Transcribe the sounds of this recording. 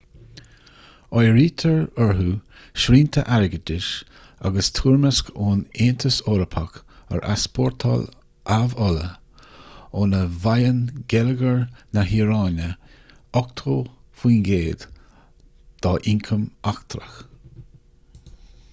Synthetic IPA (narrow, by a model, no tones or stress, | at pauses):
ɔjɾiːt̪ʰəɹəɹɦuː | ʃɾiːnt̪ʰə̰ʔaɹɡədɪʃ | a̰ɡəst̪ʰuːɹməskoːneːnt̪ʰəsɔːɾəpʰakə̰ɾʔa̰spʰɔɹt̪ʰɔ̰l | ʔavɔlə̰ | ɔnəvajənɡɛləɡəɹnaɦiːɾɑːnə | ɔkt̪ʰoː | fiːnɡeːd̪̥ | d̪̥ɔʔɪŋkʰəmakt̪ɾə̰x